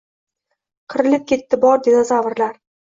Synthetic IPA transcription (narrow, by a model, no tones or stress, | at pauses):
qʰɨɾɪlɪp̚kʲʰe̞t̪ːɪbɒɾd̪e̞d̪azavɨɾlaɾ